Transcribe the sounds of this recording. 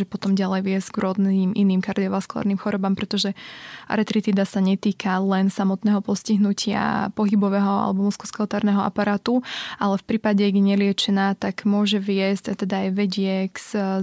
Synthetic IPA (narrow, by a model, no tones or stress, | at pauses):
ʒɛpɔt̪ɔmɟalɛjʋɪɛz̥ɡɾʊɔd̪niːmʔiniːmkaɾd̪iɔʋaskulˠa̰ːɾnimxɔɾɔbampɾɛt̪ɔʒɛʔa̰ɾɛt̪ɾit̪iːd̪asaɲɛt̪iːkʰalɛnsamɔt̪nɛːɦɔpɔsciɦnucʰɪa̰pɔɦibɔʋɛɦɔa̰lɛbɔmuskɔskalt̪aːɾnɛɦɔa̰paɾaːt̪ualɛfpɾiːpaɟɛaɡɲɛlɪɛt͡ʃɛnat̪aɡmʊɔʒɛʋɪɛscat̪ɛd̪aːjʋɛɟɪɛks